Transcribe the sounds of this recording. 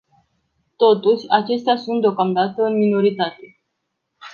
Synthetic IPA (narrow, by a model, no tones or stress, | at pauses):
t̪o̞t̪uʃʲat͡ʃe̞st̪easunt̪d̪eokamd̪at̪əɨnmino̞ɾit̪at̪e̞